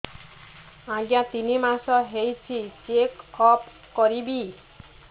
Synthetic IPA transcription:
ãɡjãt̪inimasɔɦejt͡ʃʰit͡ʃekɔp | kɔɾibi

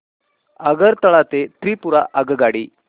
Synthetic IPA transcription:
əɡəɾt̪əɭat̪et̪ɾiːpuɾaʔəɡəɡaɽiː

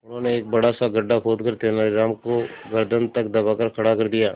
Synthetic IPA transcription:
ʊnɦõːneːk̚bɐɽasaɡɐɖːapʰoːd̪kəɾt̪enaiɾaːmkoɡɐɾd̪ʱənt̪ɐk̚d̪ɐbakɐɾkʰɐɽakɐɾd̪ijaː

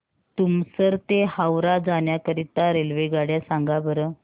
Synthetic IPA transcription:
t̪umsəɾt̪ehawɾad͡zanjakəɾit̪ːaɾelʋeɡaɽjasãŋɡabəɾə

